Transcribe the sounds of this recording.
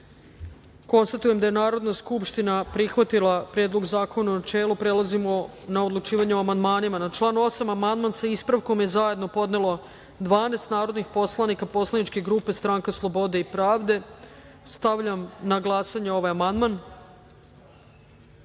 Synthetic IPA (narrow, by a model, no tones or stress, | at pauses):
ko̞nst̪at̪uje̞md̪aje̞naːɾo̞d̪naskupʃt̪inapɾixʋat̪ilˠapɾjeːd̪loɡzaːko̞nanat͡ʃeːlˠupɾe̞lazimo̞ | nao̞d̪lut͡ʃiːʋaɲeoamand̪maːnimanat͡ʃlˠaːnuo̞samamand̪mansaispɾaʋkomje̞zaje̞d̪no̞po̞d̪ne̞lo̞ | d̪ʋaːneːst̪naːɾo̞d̪nixpo̞slˠanikapo̞slˠanit͡ʃke̞ɡɾuːpe̞st̪ɾaːŋkaslˠo̞bo̞d̪eipɾaːʋd̪e̞ | st̪aʋʎamnaɡlˠasaɲeo̞ʋajamand̪man